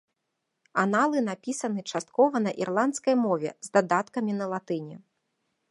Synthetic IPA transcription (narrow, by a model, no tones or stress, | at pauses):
analˠɨnapʲisɐnɨt͡ʂast̪̚kɔvɐnɐʔirlˠant̪skɐjmɔvʲɛ̰zd̪ad̪at̪kɐmʲinɐlˠat̪ɨnʲɛ